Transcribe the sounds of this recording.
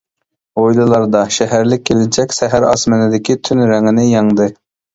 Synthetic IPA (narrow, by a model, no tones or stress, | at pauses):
ojlˠɨlˠɑɾd̪ɑʃɛɦæɾlɪk̚ʲʰːelɪnt͡ʃʰɛkʲsɛɦæɾɑ̰smɛnɨd̪ɪkʲit̪ʰynɾæŋɪnɪjɑŋd̪ɨ